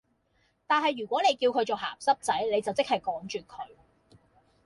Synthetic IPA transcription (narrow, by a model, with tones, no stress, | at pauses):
t̪aː˨˩nɦɐ˨˩jːyː˨˩kʷɔː˨˥ne˨˧jkiː˧wkʰɵ˨˧ɥt͡soː˨˩ɦa̰ː˨˩psɐ˥p̚t͡sɐ˨˥jne˨˧jt͡sɐ˨wt͡sɪ˥k̚hɐ˨jkɔː˨˥ŋt͡ʃyː˨˩kʰɵ˨˧ɥ